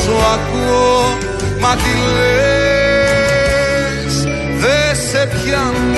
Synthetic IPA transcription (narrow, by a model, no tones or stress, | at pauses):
soakuo | mɐt̪ile | s | ðesepçɐ